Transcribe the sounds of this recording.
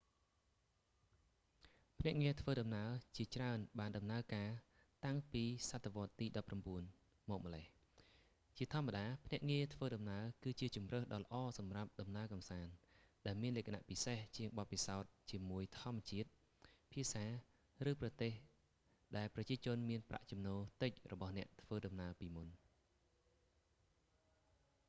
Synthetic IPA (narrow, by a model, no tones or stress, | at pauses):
pʰnɛ̆əʔŋiət̪ʰʋəːɗɑmnaət͡ɕiət͡ɕraənɓaːnɗɑmnaəkaː | t̪aŋpiːsat̪ʰːeʋŏət̪ːiːɗɑpːramɓuən | mɔːk̚mə̆leh | t͡ɕiət̪ʰŏəmːaɗaːpʰnɛ̆əʔŋiət̪ʰʋəːɗɑmnaəkɨːt͡ɕiət͡ɕumrəːhɗɑːlə̆ʔɑːsɑmrap̚ɗɑmnaəkɑmsaːnɗaɛlmiənlɛːkʰana̰ʔpiseht͡ɕiəŋɓɑt̪̚pisaɔt̪̚t͡ɕiəmuəjt̪ʰŏəmːt͡ɕiət̪̚ | pʰiəsaː | rɨːprɑt̪eːh | ɗaɛlprɑt͡ɕiət͡ɕʊ̆ənmiənprʔa̰ʔt͡ɕumnoːlt̪ɨc̚rɔɓɑhnɛ̆əʔt̪ʰʋəːɗɑmnaəpiːmun